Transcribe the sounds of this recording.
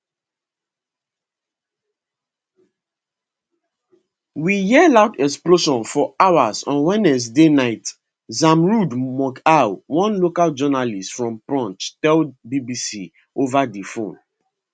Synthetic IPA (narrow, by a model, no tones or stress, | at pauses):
wijɛlaʊtɛksploʃɔ̃nfɔawazɔ̃nwɛnɛs̬denaɪt | zãmɹudmɔkawwɔ̃nlokald͡ʒɔnalistfɹɔ̃mpɹɔ̃nttɛlbibisi | ovadifõn